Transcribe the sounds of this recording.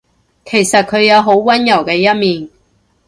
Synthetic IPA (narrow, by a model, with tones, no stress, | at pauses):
kʰe˨˩jsɐ˨t̚kʰɵ˨˧ɥjɐ˨˧wɦo˨˥wkɐ˥njɐ˨˩wkɛː˧jɐ˥t̚miː˨n